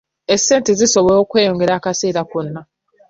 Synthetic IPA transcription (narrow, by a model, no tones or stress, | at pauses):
ese̞ːntezisoβookwe̞ːjo̞ŋɡe̞ɾaːkase̞ːɾakonːa